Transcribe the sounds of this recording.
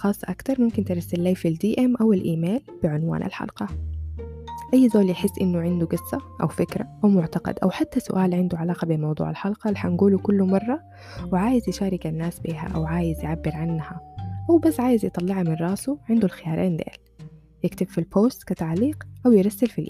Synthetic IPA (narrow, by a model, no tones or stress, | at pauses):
xɑːsˤːɑʔakt̪ɑɾˤmʊmkɪnt̪ɪɾˤɑsːalːeːfild̪iːʔɛmʔawɪlʔiːmeːlb̥ɪʕʊnwa̰ːnʔa̰lħɑ̰lqɑ | ʔajːzoːljɪħɪsːʔɪnːʊʕɪnd̪uɡɨsːaʔa̰wfɪkɾaʔawmʊʕt̪ɑqɑ̰d̪ʔa̰wħat̪ːasʊ̰ʔaːlʕɪnd̪uʕalaːqɑbeːnmɑwd̪ˤṵːʕa̰lħɑlqɑliħanɡuːlukʊlːumɑrˤːɑ | wɪʕaːjɪzjɪʃaːɾˤɪkanːaːsbiːɦa̰ʔa̰wʕaːjɪzjɪʕabːɪɾʕanːhaʔawbasːʕaːjɪzjɨt̪ˤɑlːɪʕamɪnrˤɑːsuʕɪnd̪ulxɪjɑːɾʔeːnd̪ɪʔl | jɪkt̪ɪbfilpoːst̪kat̪aʕliːqʔawjɪɾˤɑsːalfilʔ